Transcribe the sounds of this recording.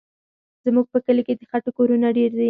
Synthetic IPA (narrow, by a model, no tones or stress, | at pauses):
zmuɡ̚pəkəleked̪əxaʈokoɾunaɖeɾd̪i